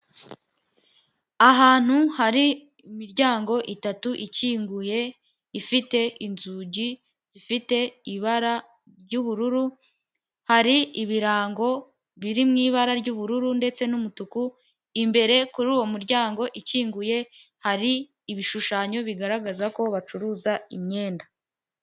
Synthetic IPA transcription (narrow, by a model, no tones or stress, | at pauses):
aɦaːn̥huhaɾiː | miɾɟaːŋɡo̞ʔitatuʔiciːŋɡuje̞ | ifite̞ʔinzuɟi | z̥ifite̞iβaɾa | ɾɟuːβuɾuɾu | haɾiiβiɾaːŋɡo̞ | βiɾimŋiːβaɾaɾɟuːβuɾuɾunde̞t͡se̞numutuku | imbe̞ɾe̞kuɾuːwo̞muɾɟaːŋɡo̞ʔiciːŋɡuje̞ | haɾiː | βiʃuʃaːɲo̞βiɡaɾaɡazako̞βat͡ʃuɾuːzaimɲe̞ːnda